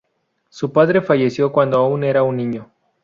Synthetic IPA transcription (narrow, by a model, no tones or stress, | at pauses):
supaðɾe̞faʝe̞sjo̞kwand̪oaune̞ɾaunːĩɲo